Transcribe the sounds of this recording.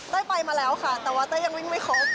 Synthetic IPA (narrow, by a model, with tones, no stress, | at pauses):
d̪aː˥˩pa˧jmaː˧lɛː˦˥wkʰa˥˩t̪ɛː˨˩waː˧˥t̪aː˥˩ja˧ŋwi˥˩ŋma˥˩jkʰɔː˦˩